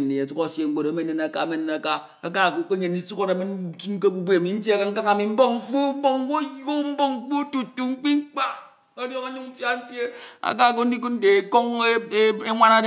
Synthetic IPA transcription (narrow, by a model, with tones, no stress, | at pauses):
n˨ni˨a˨tu˦ko˨sje˨ŋ͡m̩˦k͡po˨ɾa˨˦me˦ne˨na˨ka˨a˦me˦ne˨na˨ka˦ | a˨ka˦˨ko˨˦ke˦ɲe˨n˦i˨˦su˦ko˦da˨mi˦n˦tu˦ke˦bu˨bʷe˦a˨mi˨˦n̩˦tje˦a˦ka˦ŋ̩˦a˦ŋa˨mi˨m̩˦bo˦ŋ̩˦k͡pu˦bo˦ŋ˦ko˦jo˦m̩˦bo˦ŋ˦k͡pu˦tu˨tːu˨ŋ͡m̩˦k͡pi˦ŋ͡m̩˦k͡pa˦ | o˦djo˦ŋa˦ɲu˦ŋm̩˦fja˦n̩˦tje˦a̰˨k̬a˦˨k̬o˦n̩˦di˦ku˦n̩˦de˨ko˦ŋ˦e˦ŋʷa˦na˦d